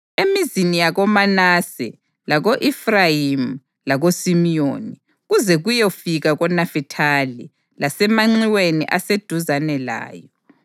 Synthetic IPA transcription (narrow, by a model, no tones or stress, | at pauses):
emizinijaɣɔmanasɛ̰ | laɣoʔifrajim | laɣosimijoni | ɣuzɛɣujofiɣaɣɔnafitʰalḭ | lasɛmaŋ͡ǀiwenḭʔased̥ʱuzanɛla̰ːjɔ